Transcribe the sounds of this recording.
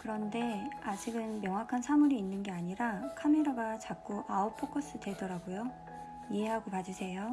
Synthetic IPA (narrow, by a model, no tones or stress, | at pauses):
kɯɾʌnde̞ad͡ʑiɡɯnmjʌŋɦwakʰansʰamuɾiːnːɯnɡe̞aɲiɾakʰame̞ɾaɡat͡ɕak̚k͈uʔaopʰokʰʌs͈ɯte̞dʌɾaɡujo | ie̞ɦaɡopad͡ʑusʰe̞jo